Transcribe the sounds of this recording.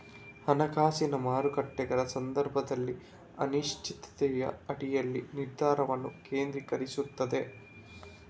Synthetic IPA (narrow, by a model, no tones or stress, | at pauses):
hɐnɐɡaːsinɐmaːɾukɐʈːɛɡɐɾɐsɐnd̪ɐɾbʱɐd̪ɐlːi | ɐ̰niʂt͡ʃʰit̪ɐ̥t̪ɛjɐ̰ɐɽijɐlːiniɾd̪ʱaːɾɐʋɐnːuke̞ːnd̪ɾikɐɾisut̪ːɐd̪e̞